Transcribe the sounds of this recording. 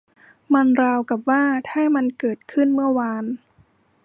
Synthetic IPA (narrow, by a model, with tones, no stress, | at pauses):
ma˧nɾaː˧wka˨˩p̚waː˥˩t̪ʰaː˥˩ma˧nkɤː˨˩t̪̚kʰɯ˥˩nmɯ˥˩ɐwaː˧n